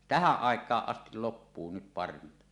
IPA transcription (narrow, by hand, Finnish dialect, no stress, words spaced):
tæhæʔ ʔɑˑekˑɑːʔ ʔɑstil lopːuː nyt pɑrʋintɑ